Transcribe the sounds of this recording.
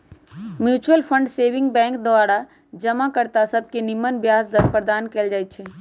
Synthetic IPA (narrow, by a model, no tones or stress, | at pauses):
mjuːt͡ʃuəlpʰə̃ɳɖseːʋɪ̃ŋɡbɛ̃ːŋkd̪oaːɾa | d͡ʒəmakəɾt̪asəb̚kenɪmːənbjaːsd̪əɾpɾəd̪aːnkeːld͡ʒaːɪt̪t͡ʃʰɛː